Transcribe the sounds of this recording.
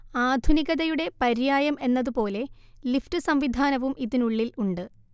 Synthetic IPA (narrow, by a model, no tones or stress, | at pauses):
aːd̪ʱuniɣɐðɐjuɽe̞pɐɾjaːjɐme̞nːɐðupo̞ːle̞ | liftɨsɐmʋid̪ʱaːnɐʋumʔiðinuɭːiluɳɖɨ